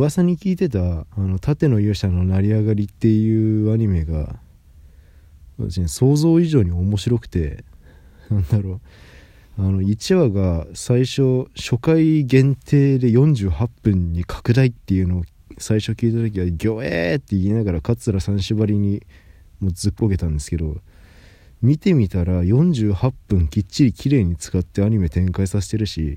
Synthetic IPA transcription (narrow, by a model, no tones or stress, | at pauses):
asaɲ̟ikʲiːt̪e̞t̪aːno̞t̪at̪e̞no̞jɯːɕano̞naɾʲiaɡaɾʲit̪ːe̞jɯ̟ːaɲ̟ime̞ɡa̰ | βat̪aɕineso̞ːzo̞ːiʑo̞ːɲ̟io̞mo̞ɕiɾo̞kɯ̟̥t̪e̞ | nãnd̪aɾo̞ː | ano̞it͡ɕiβaɡasaiɕo̞ɕo̞kaiɡẽ̞nt̪ʰe̞ːd̪e̞jõ̞ɲ̟d͡ʑɨːhapːɯ̟̃ɲ̟ɲːikʰḁkɯ̟d̪ait̪ːe̞jɯ̟no̞ː | saiɕo̞kʲiːt̪at̪o̞k̬ʲiβaɡʲo̞ːḛt̪ːe̞ienaɡaɾakat͡sɨɾasãɰ̃ɕiβaɾʲiɲ̟i | moːd͡zɨkːoɡe̞t̪ãnd̪e̞sɨ̥ke̞d̪o̞ | mʲit̪e̞mʲit̪aɾajõ̞ɲd͡ʑɨːhapːɯ̟̃ŋkʲit͡ɕːiɾʲikʲʰiɾe̞ːɲ̟it͡sɨ̥kat̪ːe̞aɲ̟ime̞t̪ẽ̞ŋkaisas̬e̞̥t̪e̞ɾɯ̟ɕḭ